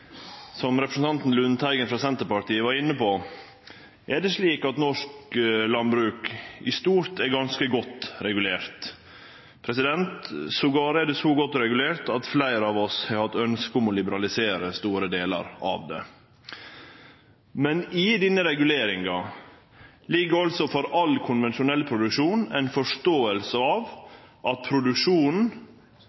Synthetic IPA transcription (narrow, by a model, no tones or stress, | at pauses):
sɔmɾɛpɾəsən̩t̪ɑnt̪n̩lʉnt̪ʰæɪɡənfɾɑsɛnt̪əɾpɑʈ̪iːəʋɑɾɪnːəpoː | ʔɛɖɛʂɭiːkɑt̪nɔʂklɑnbɾʉːkɪ̰st̪uːɾt̪ɛɾɡɑnskəɡɔt̪ːɾɛɡʉleːɾt̪ | pʰɾɛsɪd̪ɛnt̪sɔɡɑːɾəæd̪ɛsɔɡɔt̪ːɔɾɛɡʉleːɾt̪ɑt̪flæɪɾəɑʋɔshɑɾhɑt̪ːœnskʊmɔlɪbəɾɑlɪseːɾəst̪uːɾəd̪eːlə̰ɾɑ̰ːʋd̪ɛ̰ | mɛnɪd̪ɪnːəɾɛɡʉleːɾɪŋɑ | lɪɡːəɾɔlsɔfɔɾɑlkʰʊnʋɛnʃʊnɛlːpʰɾʊd̪ʉkʂuːnæ̰ɪnfɔʂt̪oːəlsəɑːʋ | ʔɑt̪̚pʰɾʊd̪ʉkʂuːnn̩